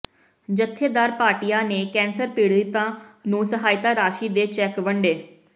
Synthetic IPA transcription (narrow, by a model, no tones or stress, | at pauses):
d͡ʒət̪ʰːeːd̪aːɾpaːʈijaːneːkɛ̃ːnsəɾpiːɽd̪ɪt̪ːãːnũːsəɦaːjɪt̪aːɾaːʃiːd̪eːt͡ʃɛːkʋəɳɖeː